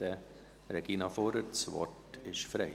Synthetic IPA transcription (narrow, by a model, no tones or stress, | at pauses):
ə | ɾɛɡ̥iːnɑfoːɾət͡sʋɔ̰tɪʃfɾɛɪ